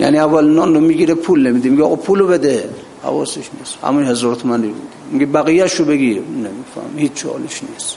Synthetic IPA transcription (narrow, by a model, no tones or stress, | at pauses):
ja̰niævːælnɔndomiɡiɾɛpʰulnemid̪imiɡiɔɣɔpʰulobed̪e | ha̰vɔ̰seʃnisha̰munhezɔɾt̪ʰomanibṵd̪imiɡibæɣijæʃobeɡinemifæ̰hmhit͡ʃʰihɔ̰liʃnis